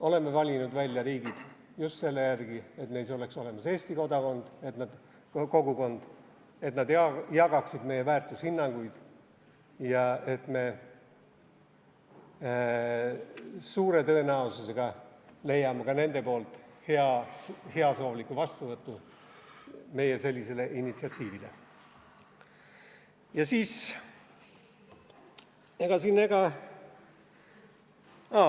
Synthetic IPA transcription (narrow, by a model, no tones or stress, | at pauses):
o̞le̞mːevɑlʲinud̪vælʲːjɑɾiːɡ̥id̪̥ | just̪se̞lːe̞jærɡ̥ie̞t̪mejs̬o̞le̞kso̞le̞mɑse̞ːsʲt̪iko̞d̪ɑko̞nd̪̥e̞t̪nɑd̪̥ | ko̞ɡuko̞nd̪̥ | e̞t̪nɑd̪jɑjɑɡ̥ɑksid̪̥me̞jːe̞væːrt̪ːˑushinːɑŋɡ̥ujd̪̥ | jɑe̞t̪me̞ | suːɾe̞t̪ø̞enæosuse̞ɡ̥ɑle̞jːɑmɑkɑne̞nd̪e̞po̞ːlt̪ˑheɑhe̞ɑso̞ːvlikːˑuvɑst̪uvɤt̪ːu | me̞jese̞lʲːise̞le̞ʔinit̪siɑt̪ˑːiːvilḛ | jɑsiːs | eɡ̥ɑsinːeɡ̥ɑ | ɑ